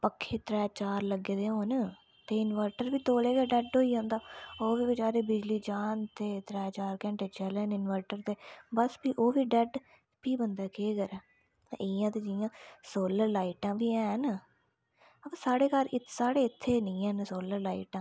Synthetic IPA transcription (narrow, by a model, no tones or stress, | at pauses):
pəkʰːeːt̪ɾɛːt͡ʃaːɾləɡeːd̪eːɦoːn | t̪eːɪnʋəɾʈəɾʋiːt̪oːleːkəːɖɛɖɦoːiːɦõːnd̪aːoːʋiːbɪd͡ʒaːɾeːbɪd͡ʒliːd͡ʒaːnt̪eːt̪ɾɛːt͡ʃaːɾkɛ̃ːɳʈeːt͡ʃəlːnɪnʋəɾʈəɾt̪eːbəsbiːʔoːʋiːɖɛɖ | piːbənd̪ɛːkeːɡəɾɛː | ʔɪjãːt̪eːd͡ʒɪjãːsoːləɾlaːiʈãːbiːɛ̃ːn | əpãsaːɽeːkəɾɪsaːɽeːɪt̪ʰːeːnɪ̃ːɛːnsoːləɾlaːḭːʈãː